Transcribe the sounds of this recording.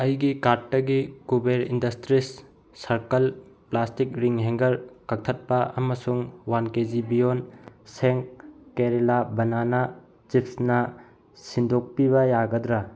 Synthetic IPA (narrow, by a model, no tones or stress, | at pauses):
ɐjɡikaɾʈːɐɡikubeɾḭndɐstɾisː | ɐɾkɐl | plastik̚ɾiŋɦeŋɡɐɾkɐk̚t̪ʰɐt̚pɐɐmɐsuŋwanked͡ʒibijonseŋk̚ːeɾelabɐnanɐ | t͡ʃipʰsnɐ | sindʱok̚piβɐjaɡɐd̪ɾa